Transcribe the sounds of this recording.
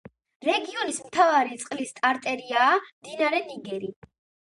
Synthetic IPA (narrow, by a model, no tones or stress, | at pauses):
ɾɛɡiɔnismt̪ʰavaɾit̪sʼqʼlist̪ʼaɾt̪ʼɛɾiaːmd̪inaɾɛniɡɛɾi